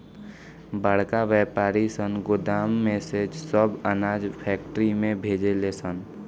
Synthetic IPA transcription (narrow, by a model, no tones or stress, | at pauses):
bəɽkaʋɛːpaːɾisənɡʊd̪aːmːɛesed͡ʒsəbənaːd͡ʒpʰɛːk̚ʈɾimẽbʱeːd͡ʒelesən